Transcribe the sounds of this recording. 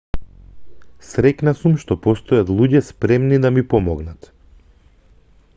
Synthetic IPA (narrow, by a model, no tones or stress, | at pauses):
sɾɛknasumʃt̪ɔpɔst̪ɔjat̪lˠuɟɛspɾɛmnid̪amipɔmɔɡnat̪